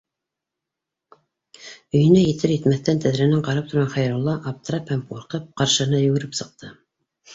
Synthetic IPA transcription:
ɵ̆jɘ̆næjɘ̆t̪ʰɘɾjɘ̆t̪mæθt̪ænt̪ʰæðɾænæɴqɑɾɑp̚t̪ŏɾʁɑnχɑjɾulˠːɑʔɑp̚t̪ɤɾɑphæmquɾqɤp̚qɑɾʃɤ̆nɑjɵ̆ɡɘ̆ɾɘpsɤ̆q̚t̪ʰɤ

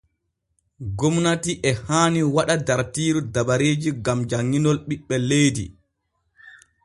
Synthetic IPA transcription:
ɡɔmnatiʔɛhaːniwaɗadaɾtiːɾudaɓaɾeːd͡ʒiɡamd͡ʒaŋːinɔlɓiɓːɛlejdḭ

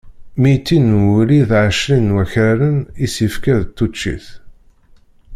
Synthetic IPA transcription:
mit̪ːinuliðʕəʃlinwæçæɾənisifkæðt̪ːut͡ʃːḭθ

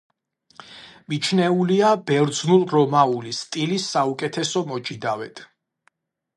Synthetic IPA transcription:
mit͡ʃʰnɛuliabɛɾd̪znulˠɾɔmaulist̪ʼilisːaukʼɛt̪ʰɛsɔmɔt͡ʃʼid̪awɛt̪ʰ

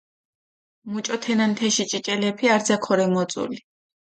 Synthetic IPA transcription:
mut͡ʃʼɔt̪ʰɛnant̪ʰɛʃit͡ʃʼit͡ʃʼɛlɛpʰiaɾzakʰɔɾɛmɔt̪sʼṵli

